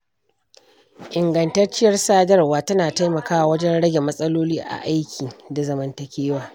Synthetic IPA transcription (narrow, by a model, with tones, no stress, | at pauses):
ʔɪ˨ŋɡɐ˨ntɐ˦rt͡ʃɪ˦jɐ˦rsaː˦dɐ˦rwaː˨tɐ˦naː˨ta˦jmɐ˨kaː˦wa˨wɐ˦d͡ʒɛ˦nɽɐ˦ɡʲe˨mɐ˦sʼɐ˦loː˦liː˦ʔa̰˨ʔa˦jkʲʰiː˨da˨zɐ˨mɐ˦ntɐ˨kʲeː˦waː˨